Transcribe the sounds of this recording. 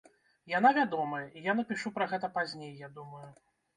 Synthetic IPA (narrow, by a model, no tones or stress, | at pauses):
janavʲad̪ɔmɐjɐʔijanɐpʲiʂupɾɐɣɛt̪ɐpazʲnʲejːad̪umɐju